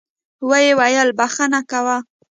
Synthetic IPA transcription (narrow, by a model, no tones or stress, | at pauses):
wəjewajəlbaxanakawa